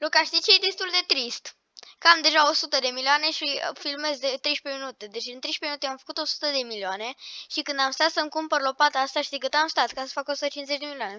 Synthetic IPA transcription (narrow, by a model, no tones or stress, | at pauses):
lukaʃt̪it͡ʃeed̪est̪uld̪e̞t̪ɾist̪ | kəamd̪e̞ʒao̞sut̪əd̪e̞milioane̞ʃifilme̞zd̪et̪ɾe̞jʃpe̞minut̪e̞d̪et͡ʃʲɨnt̪ɾejʃpeminut̪eamfə̥kut̪o̞su̥t̪əd̪e̞milioane̞ʃikɨnd̪amst̪at̪səŋkumpərlo̞pat̪ast̪aʃid̪ek̬ɨt̪amst̪at̪kasə̥fakosut̪ət͡ʃinzet͡ʃʲd̪e̞milioane̞